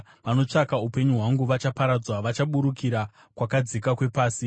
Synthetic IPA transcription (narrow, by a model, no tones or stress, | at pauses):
ʋano̞t͡ʂakaupe̞ɲuɦwaŋɡuʋat͡ʃapaɾad͡zwaʋat͡ʃaɓuɾukʰiɾa | kwakad͡zikakwe̞paːsi